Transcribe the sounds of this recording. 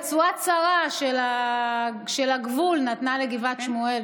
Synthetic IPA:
t͡suat͡saʁaʃela | ʃelaɡvulnat̪naleɡivatʃmue̞l

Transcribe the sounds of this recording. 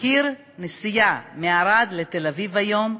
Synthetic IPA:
kiɾ | nesijameaɾad̪let̪elavivajo̞m

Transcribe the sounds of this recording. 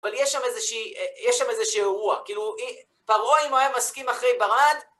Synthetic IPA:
avaljɛʃːamezeʃiːjɛʃːamezeʃiʁuakiːlui | paʁoimoajamːaskimaχʁe̞jbaʁad

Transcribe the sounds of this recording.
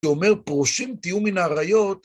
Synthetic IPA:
ome̞ʁpʁoʃimt̪ijuminaːʁajo̞t̪

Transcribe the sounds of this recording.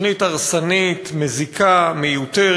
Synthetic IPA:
nit̪aʁsanit̪mezikʰamejut̪e

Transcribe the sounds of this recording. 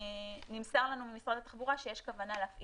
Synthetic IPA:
nimsaʁlanumimisʁad̪at̪aχbuʁaʃejeʃkavanaleafʔ

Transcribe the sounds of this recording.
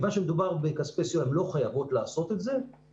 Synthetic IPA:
vanʃemed̪ubaʁbekaspesjoemlo̞χajavo̞tlaːso̞te̞tze̞

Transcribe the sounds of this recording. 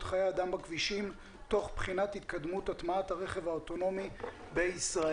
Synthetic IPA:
tχajeadambakviʃim | to̞χbχinathit̪kad̪mutatmaathaʁe̞χe̞vaoto̞no̞mi | beisʁa

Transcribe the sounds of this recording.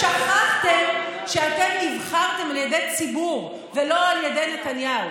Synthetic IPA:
ʃaχaχt̪e̞m | ʃeat̪emnivχaʁt̪e̞maljedejt͡sibuʁ | velo̞aljedejnetanjau

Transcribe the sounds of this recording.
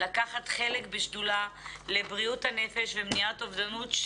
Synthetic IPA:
lakaχatχelekbeʃdulale̞bʁiuthane̞feʃvemniatovdanutʃ

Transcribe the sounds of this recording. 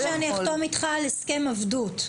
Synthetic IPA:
eaniaχtomit̪χaleske̞mavdut

